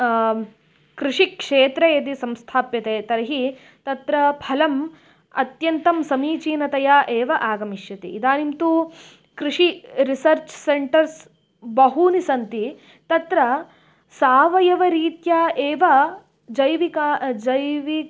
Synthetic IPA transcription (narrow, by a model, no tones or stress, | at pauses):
kɾiʂikʂeːt̪ɾejɐd̪̬isɐ̃mst̪ʰaːpjɐt̪eːt̪ɐɾɐɦi | t̪ɐt̪ɾɐpʰɐlɐm | ɐ̰t̪jɐnt̪ɐmsɐmiːt͡ʃiːnɐt̪ɐjaːʔeːʋɐʔaːɡɐmiʃjɐt̪ḭːd̪aːnimt̪u | kɾiʂiɾisɐɾt͡ʃseɳʈɐɾs | bɐɦunisɐnt̪i | t̪ɐt̪ɾɐ | saːʋɐjɐʋɐɾiːt̪jaːeːʋɐ | d͡ʒɐjʋikaːd͡ʒɐjʋi